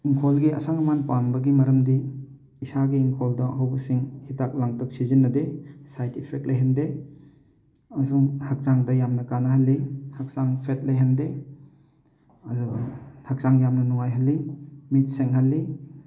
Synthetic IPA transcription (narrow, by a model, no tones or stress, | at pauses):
iŋkʰolɡiɐ̰saŋɐmanpanbɐɡimɐɾɐmdiː | saɡiːŋkʰoldɐɐɦawbɐsiŋhitak̚laŋtɔk̚sizinːɐdesajtipʰek̚lʔejɦɐnde | ɐmɐsuŋhɐk̚t͡ʃaŋdɐjamnɐkanɐɦɐlːihɐk̚saŋpʰet̚lɐjɦɐnde | ɐduɡhʰɐk̚t͡ʃaŋjamnɐnuŋajɦɐlːimit̚seŋɦɐlːi